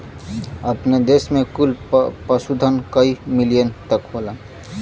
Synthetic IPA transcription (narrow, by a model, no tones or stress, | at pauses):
əpned̪eːsmẽkʊlpəsud̪ʱənkəimɪlijənt̪əkɦoːla